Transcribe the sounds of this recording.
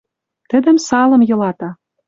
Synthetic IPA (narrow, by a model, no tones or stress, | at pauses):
t̪ə̆d̪ə̆msɑlɤ̆mjɤ̆lɑt̪ɑ